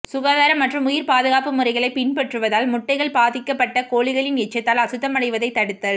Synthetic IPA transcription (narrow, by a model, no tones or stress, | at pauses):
sʊɣaːðaːɾɐmːɐʈrɯmʊjɪɾpaːðɯɣaːpɯmʊrɐɪɣɐɭɐɪpɪɳpɛʈrɯʋɐðaːlmʊʈːɐɪɣɐɭpaːðɪkːɐpːɐʈːɐkoːɭɪɣɐɭɪnɛt͡ʃːɐt̪ːaːlɐsɯt̪ːɐmɐɽɐɪʋɐðɐɪt̪ːɐɽɯt̪ːɐð